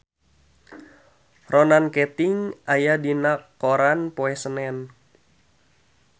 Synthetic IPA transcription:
ronankɛt̪iŋʔajadinakːoɾanpoɛsənɛn

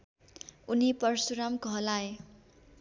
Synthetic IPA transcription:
unipʌrsuɾamkʌɦʌlaj

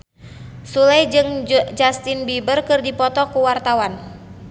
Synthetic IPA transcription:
sulɛjd͡ʒɨŋd͡ʒast̪inbibərkɨrdipɔt̪ɔkuwart̪awan

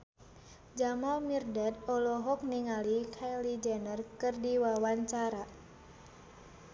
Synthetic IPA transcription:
d͡ʒamalmirdɛt̪̚ɔlɔɦɔk̚niŋalikʰajlid͡ʒɛnərkɨrdiwawaɲt͡ʃaɾa

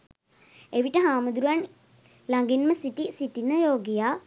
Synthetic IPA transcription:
eʋiʈəɦaːmud̪uɾuan | laŋɡinməsiʈisiʈinəjoːɡijaː

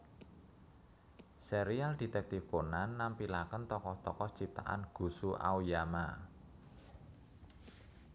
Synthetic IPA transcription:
seɾiald̪̥i̤t̪ɛk̚t̪ifonanːampilakənt̪ɔkɔht̪ɔkɔht͡ʃip̚t̪a̰ʔa̰nɡ̥ṳsuʔa̰wjama̰

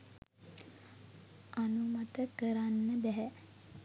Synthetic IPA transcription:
ʔanumat̪əkəɾanːəbæɦɛ

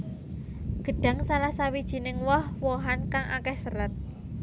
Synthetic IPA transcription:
ɡ̥ə̤ɖ̥ä̤ŋsalahsawid̥ʒ̥i̤nɪŋwɔhwɔɦankaŋʔa̰kɛhsəɾət̪̚

